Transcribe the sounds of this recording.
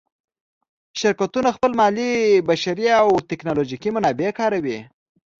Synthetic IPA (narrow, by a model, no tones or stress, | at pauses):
ʃɪɾkat̪unaxpəlmɑlibaʃaɾiawt̪ɪknoloʒikimʊnɑbekɑɾawi